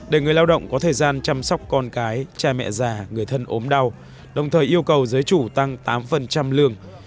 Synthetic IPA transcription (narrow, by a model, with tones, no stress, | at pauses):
ɗe˧˩ŋɨ˨˩əjlaː˧wɗə̰˧˨wŋ͡mkɔ˨˦t̪ʰəː˨˩jzaː˧nt͡ɕa˧msɔ˦˥wk͡p̚kɔ˧nkaː˨˦jt͡ɕaː˧mɛ̰˧˨zaː˨˩ŋɨ˨˩əjt̪ʰə˧nʔo˨˦mɗa˧w | ɗə˨˩wŋ͡mt̪ʰəː˨˩jʔi˧əwkə˨˩wzəː˨˦jt͡ɕu˧˩t̪a˧ŋt̪aː˨˦mfə˨˩nt͡ɕa˧mlɨ˧əŋ